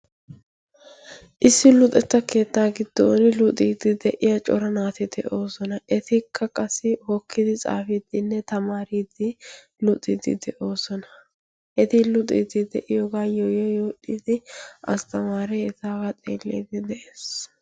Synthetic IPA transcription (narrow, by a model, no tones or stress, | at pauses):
ʔɪsːɪlʊt̪ʼɛt̪ːɐke̞ːt̪ːaːɡɪd̪̥ːo̰ːnɪlʊt̪ʼiːd̪ɪd̪ɛʔɪjɐt͡ʃʼɔɾɐnaːt̪ɪd̪ɛʔo̞ːsɔnɐʔɛt̪ɪkʰːɐkʼɐsːɪhɔkʰːɪd̪ɪt͡sʼa̰ːfɪd̪ɪnːɛt̪ɐmaːɾiːd̪ɪ | lʊt̪ʼɪ̰d̪ɪ̰d̪ɛʔo̞ːsɔnɐ | ʔɛt̪ɪlʊt̪ʼḭːd̪ɪd̪ɛʔɪjoːɡaːjojɛjoːᶑid̪ɪɐ̰st̪ɐmaːɾɛɛt̪aːɡɐt̪ʼḛːlːḭːd̪ɪd̪ɛʔeːs